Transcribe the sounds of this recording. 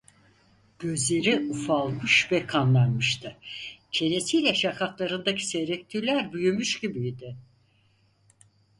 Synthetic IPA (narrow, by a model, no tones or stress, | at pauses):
ɟ̥ø̞zlʲe̞ɾiufalˠmɯʃvɛkʰanlˠanmɯʃt̪ʰɯcʰe̞ne̞sijlʲɛʃakʰaklˠaɾɯnd̪acʰi̥seɾɛct̪ʰilʲæɾbyjymyʃɟibijd̪ɪ